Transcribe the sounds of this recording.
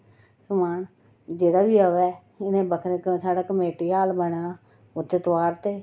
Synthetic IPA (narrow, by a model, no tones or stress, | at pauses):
səmaːn | d͡ʒeːɽaːbiːəːʋɛː | ɪnẽːbəkʰɾẽsaːɽaːkəmeːʈiːɦaːlbəɳaː | ʊt̪ːeːt̪ʋaːɾt̪eː